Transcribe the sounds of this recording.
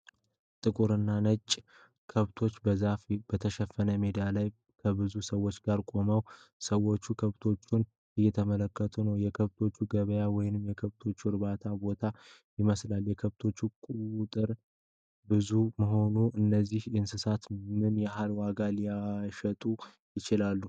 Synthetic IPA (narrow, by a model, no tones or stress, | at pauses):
t̪ʼɨkʼuɾɨnːanət͡ʃʼː | kʰəβt̪ʰo̞t͡ʃːbəzafbət̪ʰəʃɛfːənəmed̪ijalaj | kʰəbɨzusəwːo̞t͡ʃːɡaɾkʼo̞məwsəwːo̞t͡ʃːukʰəβt̪ʰo̞t͡ʃːun | ɨjːɛt̪ʰəmələkːət̪ʰunəwjɛkʰəβt̪ʰo̞t͡ʃːuɡəβəjawɔjnɨmjɛkʰəβt̪ʰo̞t͡ʃːuɨɾbat̪ʰabo̞t̪ʰajɪməslaljɛkʰəβt̪ʰo̞t͡ʃːukʼut̪ʼɨɾ | bɨzuməɦo̞nuʔɨnːəzːihɨnsɨsat̪mɨnjɛɦalwaɡalijaʃət̪ʼu | jɪt͡ʃɪlalːu